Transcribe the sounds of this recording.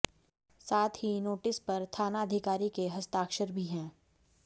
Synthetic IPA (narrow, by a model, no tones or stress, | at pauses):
saːt̪ʰhinoːʈɪspɐɾt̪ʰaːnaəd̪ʱɪkaːɾikeɦɐst̪aːkʃəɾbʱiɦɛ̃ː